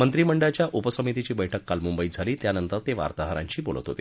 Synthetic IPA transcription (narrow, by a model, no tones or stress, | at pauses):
mənt̪ɾiːməɳɖat͡ɕjaʔupəsəmit̪it͡ɕiːbəjʈʰəkːalmumbəid͡zʱaliːt̪janənt̪əɾt̪eʋa̰ɾt̪aɦəɾa̰ɲt͡ɕiːbolət̪ɦo̰t̪iː